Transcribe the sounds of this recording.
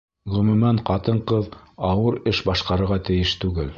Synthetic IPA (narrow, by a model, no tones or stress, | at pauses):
ʁɵ̆mʉ̆mæɴqɑt̪ɤɴqɤðɑwɤɾɘʃbɑʃqɑɾɤ̆ɾʁɑt̪ɘ̆jɘʃt̪ʉɡɘl